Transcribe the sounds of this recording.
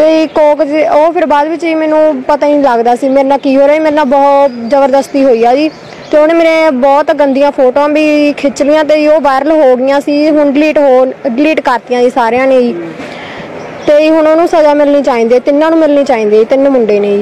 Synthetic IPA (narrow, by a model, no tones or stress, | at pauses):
t̪eːiːkoːkd͡ʒoːpʰɪɾbaːd̪ʋɪt͡ʃiːmɛːnũːpət̪ãːniləɡd̪aːsiːmeːɾnãːkiːɦoːɾaːiːmeːɾnãːbɔːt̪zəbəɾd̪əst̪iːɦoːiːaːd͡ʒiː | t̪eːʊnːmeːɾẽːbɔːt̪ɡənd̪ijãːpʰoːʈoãːbiːkʰɪt͡ʃlɪjãːt̪eːioːʋaːɪɾəlɦoːɡɪjãːsiːɦʊɳɖɪliːʈɦoːɖɪliːʈkəɾt̪ijãːd͡ʒiːsaːɾejãːneːiː | t̪eːiːɦʊɳoːnũːsəd͡ʒaːmɪlniːt͡ʃaːĩːnd̪eːt̪ɪnːãːnũːmɪlniːt͡ʃaːĩːnd̪eːt̪ɪnmʊɳɖeːneːi